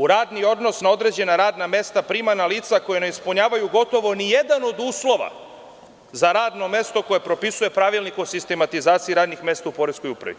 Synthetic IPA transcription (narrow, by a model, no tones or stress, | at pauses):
uɾaːd̪nio̞d̪no̞snao̞d̪ɾe̞d͡ʑe̞naɾaːd̪name̞st̪apɾimanaliːt̪sako̞jeneispuɲaːʋajuɡo̞t̪o̞ʋo̞nije̞d̪ano̞d̪uːslo̞ʋa̰ | zaɾaːd̪no̞me̞st̪o̞ko̞je̞pɾo̞pisuje̞pɾaʋilˠnikosist̪e̞mat̪izaːt̪siiɾaːd̪nixme̞st̪aupo̞ɾesko̞jupɾa̰ʋḭ